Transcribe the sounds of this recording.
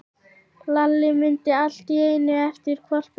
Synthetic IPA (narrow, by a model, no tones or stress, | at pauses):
lalːɪmʏnt̪ɪal̥t̪ieːjnʏɛft̪ɪɾ̥kʰvɔr̥p